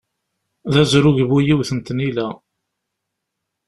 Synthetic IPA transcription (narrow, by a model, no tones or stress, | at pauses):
ðæzɾʊʝβujiwθənt̪nilæ